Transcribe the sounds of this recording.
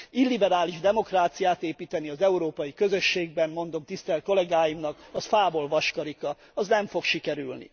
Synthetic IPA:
ilːibɛɾaːliʒd̪ɛmo̞kraːt̪sijaːt̪eːpiːt̪ɛniɒzɛuɾoːpɒjikø̞zø̞ʃːeːɡ̚bɛnmo̞n̪d̪o̞mt̪ist̪ɛlt̪̚ko̞lɛɡaːjimnɒkɒfaːbo̞lvɒʃkɒɾikɒ | ɒznɛɱfo̞kʃikɛɾylnḭ

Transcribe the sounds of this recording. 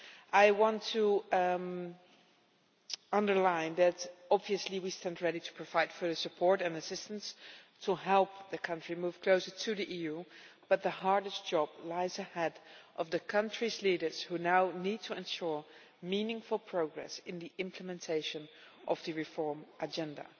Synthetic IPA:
ʔaɪwɑ̃ntʰə | ʌ̃ndə˞lãɪ̃nðɨɾɑbviɨsliwistɛ̃ndɹɛɾiɾʰə̥pʰɹ̥əvaɪtfə˞ðəsɨpʰɔɹɾɨ̃nɨsɪstə̃nstʰəɦɛlˠp̚ðɨkʰʌ̃nt͡ʃɹ̥imuv̥kʰl̥oʊsə˞tʰɨðiʔijʉb̥ʌt̪̚ðəɦɑɹdɨstd̥ʒ̥ɑb̥laɪzɨhɛdʔʌvðɨkʰʌ̃nt͡ʃɹ̥izliɾə˞z̥hunaʊnid̚tʰəɛ̃nʃʊɹ | mĩnɪ̃ŋfl̩ˠpʰɹ̥oʊɡɹɛ̰sɪ̃nðiʔɪ̃mpʰləmɨ̃ntʰeɪʃɨ̃nʔʌvðɨɹɨfɔɹmʔəd͡ʒɛ̃ndə̰

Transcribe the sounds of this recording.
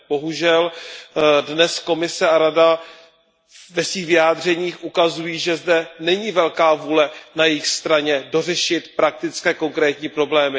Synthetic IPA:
bo̞ɦuʒɛl | dnɛsko̞mɪsɛaɾada | vɛsviːxvɪjaːd̪r̝ɛɲiːxʔukazujiːʒɛzdɛnɛɲiːvɛlkaːvuːlɛnajɪjxst̪ɾaɲɛdo̞rɛʃɪt̪pɾak̚t̪ɪt͡skɛːko̞ŋkɾɛːt̪ɲiːpɾo̞blɛːmɪ

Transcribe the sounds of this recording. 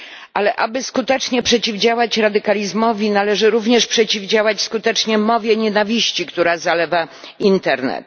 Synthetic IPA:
ʔalɛʔabɘskut̪ɛt͡ʂɲɛpʂɛt͡ɕivd͡ʑawat͡ɕɾad̪ɘkalʲizmɔvʲinalɛʐɘɾuvɲɛʂpʂɛt͡ɕivd͡ʑawat͡ɕskut̪ɛt͡ʂɲɛmɔvʲjɛɲɛnavʲiɕt͡ɕikt̪uɾazalɛva | int̪ɛɾnɛ̰t̪

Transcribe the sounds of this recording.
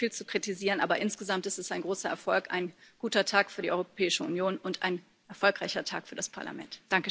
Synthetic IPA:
fiːlt͡sukʁ̥itiziːʁənʔa̰ːbɐʔɪnsɡ̥əzamtɪstɛsaɪnɡʁoːsɐʔɛɐfɔlkʔa̰ɪnɡ̥uːtɐtʰaːkfyːɐɾiʔɔʏʁopʰɛːɪʃəṵnjoːnʊntʰa̰ɪn | ʔɛɐfɔlkʁ̥aɪçɐtʰa̰ːkfyːɐdaspʰa̰ɐla̰mɛ̰ntd̥aŋkə

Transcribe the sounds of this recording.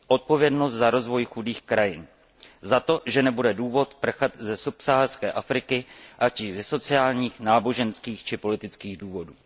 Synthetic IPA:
ʔo̞t̪̚po̞vjɛdnost̪zaɾo̞zvo̞jxudiːxkɾajɪn | zat̪o̞ʒɛnɛbudɛduːvo̞t̪pr̩xat̪zɛsupsaːarskɛːʔafɾɪkɪʔat͡ʃɪzɛso̞t͡sɪaːlɲiːxnaːbo̞ʒɛnskiːxt͡ʃɪpo̞lɪt̪ɪt͡skiːɣduːvo̞duː

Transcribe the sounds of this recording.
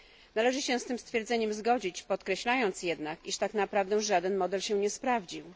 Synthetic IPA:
nalɛʐɘɕɛst̪ɘmst̪fʲjɛɾd̪zɛɲɛmzɡɔd͡ʑit͡ɕpɔt̪kɾɛɕlajɔnt̪sjɛd̪nakiʂt̪aknapɾavd̪ɛw̃ʐad̪ɛnmɔd̪ɛlɕɛɲɛspɾavd͡ʑiw

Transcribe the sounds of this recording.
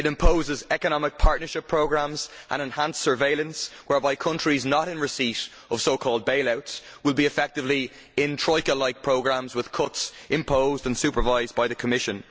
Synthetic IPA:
ɪɾɪ̃mpʰoʊzɪzɛkənɑmɪk̚pʰaɹtⁿnə˞ʃɪpʰɹ̥oʊɡɹãmzʔə̰̃nə̃nhãnsə˞veɪlə̃nswɛɹbaɪkʰʊ̃nt͡ʃɹ̥iznəɾɪ̃nɹɪsiɾ | ʌv̥soʊkʰɔːlˠd̚beɪlaʊtswɪlˠbiɨfɛk̚tɪvli | ɪ̃ntʰɹ̥ɔɪkəlaɪk̚pʰɹ̥oʊɡɹãmzwɪð̥kʰʊtsʔɪ̃mpʰoʊzdə̃nsʉpə˞vaɪzbaɪðəkʰəmɪʃə̃n

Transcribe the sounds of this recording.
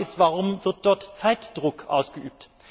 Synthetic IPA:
ɪstvaʁʊmvɪʁt̚d̥ɔɐtt͡saɪtd̥ʁʊkʔa̰ʊsɡ̥əʔyːp̚t

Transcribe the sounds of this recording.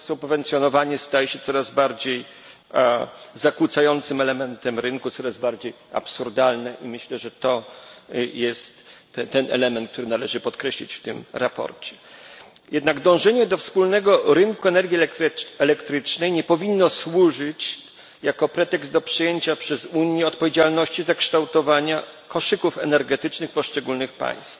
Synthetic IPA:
subvɛnt̪sʲjɔnɔvaɲɛst̪ajɛɕɛt̪sɔɾazbaɾd͡ʑej | zakwut̪sajɔnt̪sɘmɛlɛmɛnt̪ɛmɾɘŋkut̪sɔɾazbaɾd͡ʑej | a̰psuɾd̪alnɛʔimɘɕlɛʐɛt̪ɔ | jɛst̪ | t̪ɛnɛ̰lɛmɛnt̪̚k̚t̪uɾɘnalɛʐɘpɔt̪kɾɛɕlʲḭt͡ɕft̪ɘmɾapɔ̰ɾt͡ɕɛ̥ | jɛd̪naɡd̪ɔ̃w̃ʐɛɲɛd̪ɔfspulnɛɡɔɾɘŋkuɛnɛɾɡʲjiɛɛlɛkt̪ɾɘt͡ʂnɛjɲɛpɔvʲinːɔswuʐɘt͡ɕ | jakɔpɾɛt̪ɛɡzd̪ɔpʂɛjeɲt͡ɕapʂɛzuɲjɛɔt̪̚pɔvʲjed͡ʑalnɔɕt͡ɕizakʂt̪awt̪ɔvaɲa | kɔʂɘkufɛnɛɾɡɛt̪ɘt͡ʂnɘxpɔʂt͡ʂɛɡulnɘxpa̰j̃st̪f

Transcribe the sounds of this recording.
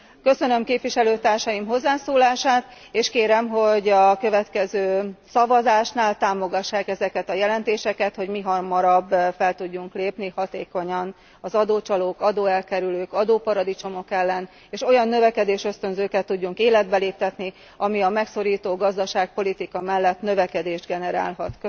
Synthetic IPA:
kø̞sø̞nø̞mkeːpʋiʃɛløːt̪aːrʃɒjimɦo̞zːaːsoːlaːʃaːt̪ | eːʃkeːɾɛmɦo̞ɟɒkø̞vɛt̪kɛzøːsɒvɒzaːʃnaːlt̪aːmo̞ɡɒʃːaːkɛzɛkɛt̪ɒjɛlɛnt̪eːʃɛkɛt̪ho̞ɟmiɦɒrmɒɾɒbːfɛlt̪uɟːuŋkleːpnihɒt̪eːko̞ɲɒn | ɒzɒd̪oːt͡ʃɒloːkɒd̪oːɛlkɛɾyløːkɒd̪oːpɒɾɒd̪it͡ʃo̞mo̞kɛlːɛn | eːʃo̞jɒnːø̞vɛkɛd̪eːʃø̞st̪ønzøːkɛt̪ːuɟːuŋkeːlɛd̪̚bɛleːp̚t̪ɛt̪ni | ɒmiɒmɛkso̞ɾiːt̪oːɡɒzd̪ɒʃaːk̚po̞lit̪ikɒmɛlːɛt̪nø̞vɛkɛd̪eːʒd̪ɡɛnɛɾa̰ːlɦɒt̪kø

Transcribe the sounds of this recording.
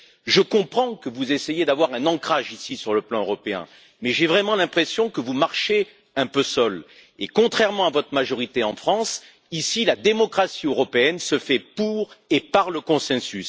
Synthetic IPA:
ʒəkɔ̃pχɑ̃kəvuzesejed̪avwaʁɛ̃nɑ̃kχaʒisisyʁləplɑ̃øʁɔpeɛ̰̃ | mɛʒɛvʁɛmɑ̃lɛ̃pχesjɔ̃kəvumaʁʃe | ɛ̃pøsɔl | ekɔ̃t̪χɛʁmɑ̃avɔt̪χəmaʒɔʁit̪eɑ̃fχɑ̃s | isilad̪emɔkχasiøʁɔpeɛnsəfɛpuʁepaʁləkɔ̃sɛ̃sys

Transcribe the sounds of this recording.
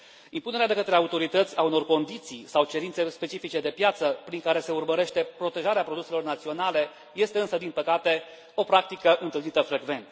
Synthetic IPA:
impune̞ɾead̪e̞kət̪ɾe̞aut̪o̞ɾit̪ət̪sʲauno̞rko̞nd̪it̪sijsawt͡ʃe̞ɾintse̞spe̞t͡ʃifit͡ʃe̞d̪e̞pjat̪səpɾiŋkaɾe̞se̞urməɾe̞ʃt̪e̞pɾo̞t̪e̞ʒaɾeapɾod̪use̞lo̞rnat̪sio̞nale̞ | je̞st̪eɨnsəd̪inpəkat̪e̞ | o̞pɾak̚t̪ikəʔɨnt̪ɨlnit̪əfɾe̞ɡve̞nt̪

